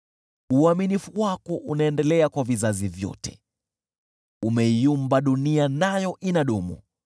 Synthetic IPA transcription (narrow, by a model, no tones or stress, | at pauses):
uaminifuwakɔʔunaɛndɛlɛakwavizazivjɔ̰tɛ̥ | umɛijumbaɗunianajɔʔinaɗumṵ